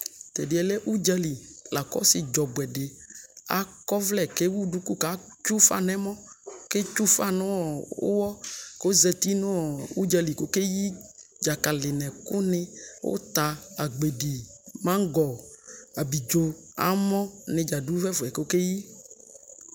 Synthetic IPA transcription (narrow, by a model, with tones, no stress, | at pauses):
t̪ɛ˨ɖi˨ɛ˨le˦ʔu˦d͡ʒa˦li˨la˨kɔ̰˦sɪ˨d͡ʒɔ˨bwɛ˨ɖe˨a̰˦kɔ˦vlɛ˨ke˦wu˦ɖu˦ku˦ka˨˦t͡ʃu˦fa̰˦nɛ̃˦mɔ̃˦ke˦t͡ʃu˦fa˦nʊ̃˦ɔ˨o̰˦wɔ˦ko˦zɛ˨t̪i˦nõ˦˨u˦d͡ʒa˦li˨ko˦ke˦ji˦d͡ʒa˨ka˨lɪ˨nɛ̃˨kʊ˦nɪ̃˦wo̰˦t̪a˨a˨ɡ͡be˨ɖi˨mã˦ŋ˦ɡɔ˨a˨bi˨d͡ʒo˨a̰˨˦mɔ̃˦nẽ˨d͡ʒa˨du˦vɛ˦fɛ˨ko˨˦ke˦ji˦